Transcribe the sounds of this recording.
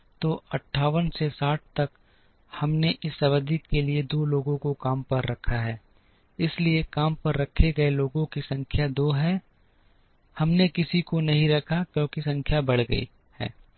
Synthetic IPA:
t̪oːɐʈʰːaːʋənsesaːʈ̚ʰt̪ɐk | hɐmneʔɪsːɐβəd̪ikkelied̪oːloːɡõɡkõkaːmpɐɾːɐkʰaɦɛː | ɪsliekaːmpɐɾːɐkʰːeɡɐeloːɡõkisɐ̃ŋkʰjad̪oːɦɛː | hɐmnekɪsikonɐɦĩɾɐkʰakjõːkisɐ̃ŋkʰjabɐɽ̤ɡɐ̰ḭ | hɛ̰ː

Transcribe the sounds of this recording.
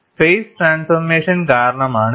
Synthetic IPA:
pʰeːsʈɾaːnsfɐɾmeːʂɐnkaːɾɐɳɐmaːɳ

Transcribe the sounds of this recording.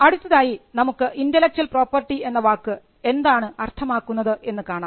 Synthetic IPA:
ɐɽut̪ːɐðaːjinɐmukːɨʔindɐlek̚t͡ɕɐlpro̞ːpːɐrʈːie̞nːɐʋaːkːɨ | e̞nd̪aːɳɨɐrt̪ʰɐmaːkːunːɐðɨʔe̞nːɨkaːɳaː

